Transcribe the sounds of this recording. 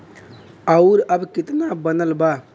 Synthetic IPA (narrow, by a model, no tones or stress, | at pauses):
əʊɾəbkit̪nabənəlba